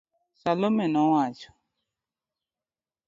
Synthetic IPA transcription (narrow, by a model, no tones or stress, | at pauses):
salomɛnɔ̃wat͡ʃɔ̥